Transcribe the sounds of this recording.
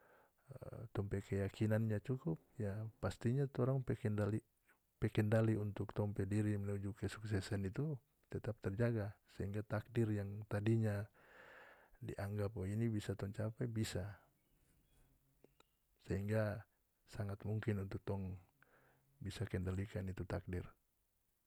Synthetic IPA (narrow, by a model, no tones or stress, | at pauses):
t̪ɔŋpɛkɛjakinanɲat͡ʃukup̚jaːast̪iɲat̪ɔɾaŋpɛkɛndali | pɛkɛndaliunt̪uk̚t̪ɔŋpɛdiɾimɛnud͡ʒukɛsuksɛsɛnit̪u | t̪ɛt̪ap̚t̪ɛrd͡ʒaɡasɛɦiŋɡat̪ak̚dirjaŋt̪adiɲa | dḭʔaŋɡapɔinibisat̪ɔŋt͡ʃapɛbisa | sɛɦiŋɡa | saŋat̪muŋkinunt̪uk̚t̪ɔŋ | bisakɛndalikanit̪ut̪ak̚dir